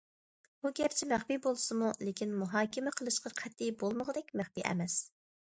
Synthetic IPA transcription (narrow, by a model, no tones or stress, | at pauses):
buɡʲɛpt͡ʃʰimæχbibolˠsɨmulekʲinmuɦɑːkʲɪmɪqʰəlˠɨʃqɑqʰɛt̪ːibolˠməʁəd̪ɛkʲmæχbiʔɛ̰mɛs